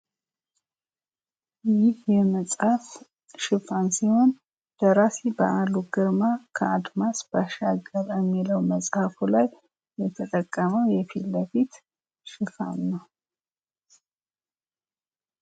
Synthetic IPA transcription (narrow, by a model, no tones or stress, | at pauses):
jɪhjɛməsʼhaf | ʃɪfansiho̞n | d̪̥əɾasibəʔaluɡɨɾmakʰəad̪masbaʃaɡəɾəmːiləwməsʼhafulajː | ɛt̪ʰət̪ʼəkʼːəməwjɛfilːəfit̪ | ʃɪfa̰nːəw